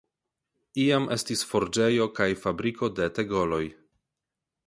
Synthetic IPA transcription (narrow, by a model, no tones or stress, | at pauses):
iamʔe̞stisfo̞ɾd͡ʒe̞jo̞kajfabɾiko̞de̞teɡo̞lo̞j